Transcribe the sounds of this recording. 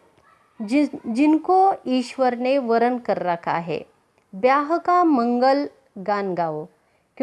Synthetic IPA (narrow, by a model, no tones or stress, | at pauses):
d͡ʑinkoiːɕʋəɾneʋəɾənkəɾːaka̰ɦḛ | bjaɦəkaməŋɡəl | ɡanɡaʋo | kĩ